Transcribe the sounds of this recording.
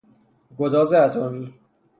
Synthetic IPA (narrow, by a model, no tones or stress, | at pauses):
ɡod̪ɒːzeæt̪ʰomiː